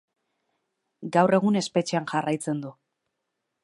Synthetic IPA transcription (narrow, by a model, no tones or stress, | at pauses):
ɡawre̞ɣune̞spe̞t͡ʃeanʝarajt͡se̞nd̪u